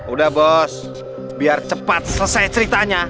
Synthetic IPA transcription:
udahbɔs | biart͡ʃəpat̪̚səsajt͡ʃəɾit̪aɲa

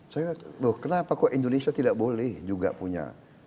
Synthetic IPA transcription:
sajaohkənapakɔʔindonesiat̪idaʔbolɛhd͡ʒuɡa̰puɲa̰

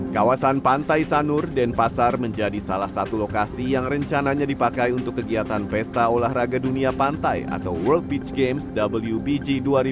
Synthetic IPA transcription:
kawasanpant̪ajsanʊrdɛnpasarməɲd͡ʒadisalahsat̪ulokasijaŋrəɲt͡ʃanaɲadipakajunt̪ʊkːəɡiat̪anfɛst̪aolahraɡaduniapant̪aja̰t̪a̰wwəlt̪̚bit͡ʃɡemsdabəljubid͡ʒiduaɾi

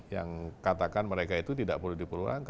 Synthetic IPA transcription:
ja̰ŋkat̪akanməɾekait̪ut̪ida̰ʔpərludipəlua̰ŋk

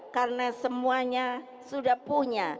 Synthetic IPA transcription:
karənasəmuaɲa | sudahpuɲa

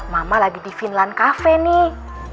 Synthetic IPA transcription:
mamalaɡidifinlankafɛni

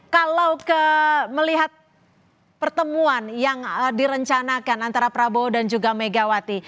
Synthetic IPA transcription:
kalawkəməliɦat̪̚ | pərt̪əmuanjaŋdiɾəɲt͡ʃanakanant̪aɾapɾabodand͡ʒuɡameɡawat̪i

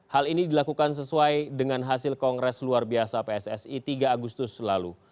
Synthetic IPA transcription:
halinidilakukans̬əsuajdəŋanɦasɪlkɔŋɡɾɛsluarbiasapeɛsɛsit̪iɡaːɡust̪ʊslalṵ

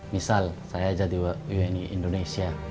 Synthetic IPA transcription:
misalsajad͡ʒad̪iwaujeniʔḭndonesia

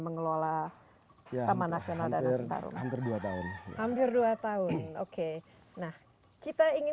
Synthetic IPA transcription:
məŋəlola | t̪amanasionaldaat̪a̰ɾṵnampɪrduat̪aʊnhampɪrduat̪aʊnnoke | nah | kit̪aiŋɪ

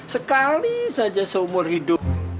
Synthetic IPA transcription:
səkalisad͡ʒasəumʊrhido

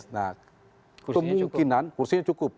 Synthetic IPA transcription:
na̰k | kəmuŋkinankursiɲat͡ʃukʊp̚

